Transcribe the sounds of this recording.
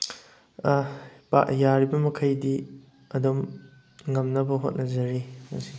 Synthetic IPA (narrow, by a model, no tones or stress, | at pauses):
pa̰jaɾibɐmɐkʰɐjdi | ɐdom | ŋɐmnɐbɐɦo̰t̚nɐzɐɾiɐ̰si